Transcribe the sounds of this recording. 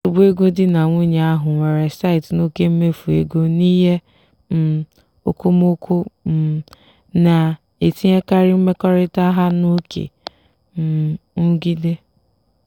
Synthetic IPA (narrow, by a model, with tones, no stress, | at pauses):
u˨bu˦e˦ɡo˦dɪ˦na˨ŋʷu˦ɲe˨a˦ɦʊ˨ŋʷe˨ɾe˨sa˦ɪ˨tno˦ke˦m̩˦me˦fu˨ḛ˦ɡo˦ni˦ɦe˦ | m̩˨ | o̰˨ko˦m˦o˦kʷʰo˦m̩˨ | na˨ | e˨ti˦ɲe˦ka˦ɾɪ˦m̩˦me˦kɔ˦ɾɪ˦ta˦ɦa˦no˦kʰḛ˨ | m̩˨ŋ̩˦ɡi˦de˦